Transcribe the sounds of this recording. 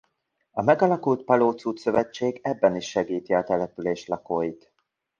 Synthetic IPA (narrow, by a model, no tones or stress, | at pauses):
ɒmɛɡɒlɒkult̪̚pɒloːt̪suːt̪sø̞vɛt͡ʃːeːɡɛbːɛniʃːɛɡiːt̪iɒt̪ɛlɛpyleːʃlɒkoːjit̪